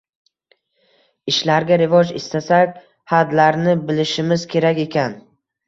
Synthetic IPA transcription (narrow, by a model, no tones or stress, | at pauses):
ɪʃlaɾɡʲaɾɪvɒd͡ʒɪst̪asakʲ | had̪laɾnɪbɪlɪʃɪmɪz̥kʲʰe̞ɾakʲe̞kʲʰan